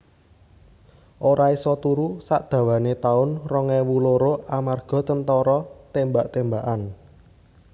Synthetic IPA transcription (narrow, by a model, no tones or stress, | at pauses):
ʔoɾaesɔt̪uɾusaʔd̪̥ä̤wanet̪aʊnrɔŋɛwuloɾoʔamarɡ̥ɔ̤t̪ənt̪ɔɾɔt̪embaʔt̪embaʔan